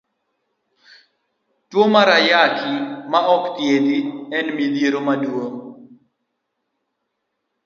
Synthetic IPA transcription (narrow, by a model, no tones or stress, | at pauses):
twomaɾajakʰimaʔɔkt̪jed̪iɛnmid̪jeɾomadwoŋ